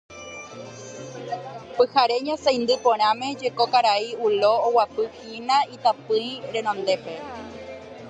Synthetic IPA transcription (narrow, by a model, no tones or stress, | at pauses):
pɨhaɾe̞ɲõsaj̃nd̪ɨpõ̞ɾ̃ãmẽ̞d͡ʒe̞kokaɾaiulo̞ːwapɨhinãit̪apɨ̃jɾẽ̞nõ̞nd̪e̞pe